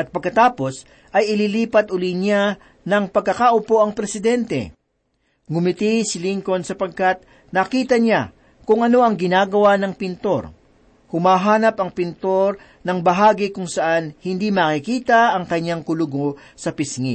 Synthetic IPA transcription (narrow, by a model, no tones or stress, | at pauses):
ʔɐt̪̚pɐɡ̚kɐt̪aːpo̞s | ʔɐjɪliliːpɐt̪̚ʔʊliɲa | nɐŋpɐɡ̚kːɐkaʔʊpo̞ʔɐŋpɾɛsɪd̪ɛnt̪ɛ̰ | ɡʊmɪt̪isɪliŋko̞nsɐpɐɡ̚kat̪̚ | nɐkiːt̪ɐɲa | kʊŋɐno̞ɐŋɡɪnaːɡɐwanɐŋpɪnt̪o̞ɾ | hʊmaːɦaːnɐpɐŋpɪnt̪o̞ɾ | nɐŋbɐɦaːɡikʊŋsɐʔanhɪnd̪imɐkɪkiːt̪ɐʔɐŋkɐɲːaŋkʊlʊɡo | sɐpɪsŋḭ